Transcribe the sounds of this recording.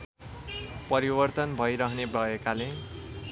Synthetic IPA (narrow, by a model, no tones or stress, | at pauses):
pʌɾibʌrt̪ʌnbʱʌjɾʌɦʌnebʱʌekale